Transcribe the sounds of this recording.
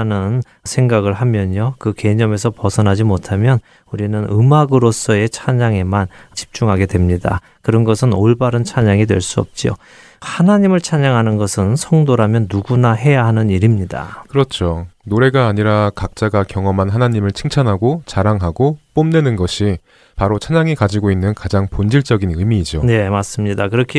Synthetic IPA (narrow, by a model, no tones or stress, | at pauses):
nɯn | sʰe̞ŋɡaɡɯɭɦamjʌɲokɯke̞ɲʌme̞s̬ʰʌpʌsʰʌnɦad͡ʑimotʰamjʌn | uɾinɯnɯmaɡɯɾos͈ʌe̞t͡ɕʰaɲaŋe̞mant͡ɕi̥p̚t͡ɕ͈uŋɦaɡe̞dwe̞mɲida̰ | kɯɾʌnɡʌsʰɯnoɭbaɾɯnt͡ɕʰaɲaŋidwe̞ɭs͈uʌ̰p̚t͡ɕ͈io̰ | hanaɲimɯɭt͡ɕʰaɲaŋɦanɯnɡʌsʰɯnsʰʌŋdoɾamjʌnːuɡunaɦe̞jaɦanɯniɾimɲida̰kɯɾʌt͡ɕʰonoɾe̞ɡaːɲiɾakak̚t͡ɕ͈aɡakjʌŋʌmanɦanaɲimɯɭt͡ɕʰɯŋt͡ɕʰanɦaɡot͡ɕaɾaŋɦaɡop͈omnwenɯnɡʌɕʰi | paɾot͡ɕʰaɲaŋikad͡ʑiɡoinːɯnkad͡ʑaŋpond͡ʑiɭt͡ɕ͈ʌɡinɯmiːd͡ʑone̞mas͈ɯmɲidakɯɾʌkʰi